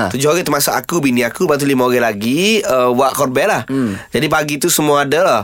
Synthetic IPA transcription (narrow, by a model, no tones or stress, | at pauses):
t̪ud͡ʒʊɦoɣɛt̪ərmasʊka̰kubiniakubat̪̬ulimaoɣɛlaɡiəwaʔkɔr̚bɛlahd͡ʒadipaɡit̪usəmuaːdala